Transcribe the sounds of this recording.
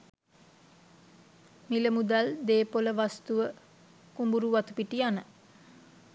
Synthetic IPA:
miləmud̪ald̪eːpoləʋast̪uʋə | kumbuɾuʋat̪upiʈianə

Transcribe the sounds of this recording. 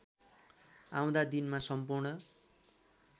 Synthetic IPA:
ã̰w̃d̪ad̪inmasʌmpurnʌ

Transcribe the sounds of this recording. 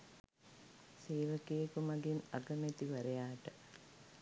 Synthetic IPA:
siːlɐkːeːkumɐɡinɐɡɐmet̪ːiʋɐɾɐjaːʈɨ

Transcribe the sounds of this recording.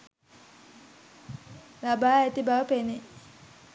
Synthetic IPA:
labaːæt̪ibaʋəpene

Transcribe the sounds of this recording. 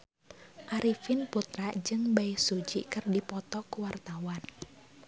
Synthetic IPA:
ʔaɾifɪnput̪ɾaʔd͡ʒɨŋbaɪsud͡ʒikɨrdipɔt̪ɔkuwart̪awan

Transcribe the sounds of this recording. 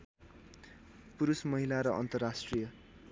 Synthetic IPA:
puɾusmʌɦilaɾʌʔʌnt̪ʌrːasʈrijʌ

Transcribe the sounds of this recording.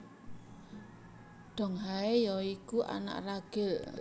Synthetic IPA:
ɖ̪̥ɔ̤ŋɦaejɔikuʔa̰na̰ʔraɡ̥ɪl

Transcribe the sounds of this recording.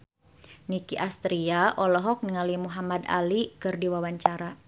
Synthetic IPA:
nikiʔast̪ɾiaʔɔlɔɦɔk̚niŋalimuɦamada̰likɨrdiwawaɲt͡ʃaɾa

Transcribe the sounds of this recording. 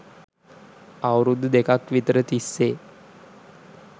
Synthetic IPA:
awɾud̪ʱd̪ekʰakʋit̪ɾət̪isːe

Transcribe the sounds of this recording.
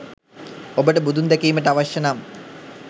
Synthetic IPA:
obəʈəbud̪ʱund̪ækiːməʈəaʋaʃjɐnam

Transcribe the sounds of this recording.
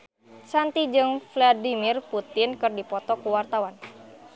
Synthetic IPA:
t͡ʃant̪id͡ʒɨŋfladimirput̪ɪnkɨrdipɔt̪ɔkuwart̪awan

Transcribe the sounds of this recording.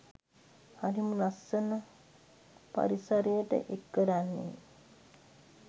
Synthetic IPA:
ɐɾimunɐsːɐnɐ | pɐ̰ɾisɐɾijəʈə̰ʔekːəɾanːḭ

